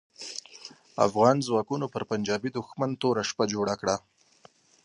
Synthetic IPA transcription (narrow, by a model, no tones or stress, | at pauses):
a̰fɣɑnzwɑkunopəɾpand͡ʒɑbid̪ʊxmant̪oɾaʃpad͡ʒoɽakɽa